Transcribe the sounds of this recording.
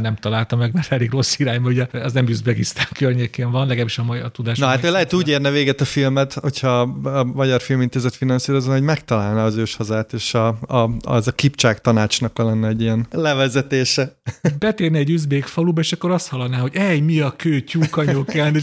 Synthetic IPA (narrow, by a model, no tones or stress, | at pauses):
nɛmt̪ɒlaːlt̪ɒmɛɡmɛrt̪ɛleːɡro̞sːiɾaːɲbɒuɟɛɛznɛmyzbeɡist̪aːŋkørɲekeːɱvɒnlɛɡaːbiʃɒmɔt̪ud̪aːʃnɒɦaːt̪ojlɛɦɛt̪uːɟeːrnɛveːɡɛt̪ɒfilmɛt̪hocʰhɒmɒɟɒrfilmint̪eːzɛt̪finɒnsiːɾoznɦoɟmɛkt̪ɒlaːlnɛːzøːʃhɒzaːt̪eːʃɒ | zɒkipt͡ʃaːkt̪ɒnaːt͡ʃnɒkɒlɛnːɛɛɟiɛnlɛvɛzɛt̪eːʃɛbɛt̪eːrnɛɛɟyzbeːkfɒlubɒeːʃɒkːo̞ɾɒst̪hɒlːɒd̪naːɦo̞ɟɛjmiɒkøːcukɒɲokɛne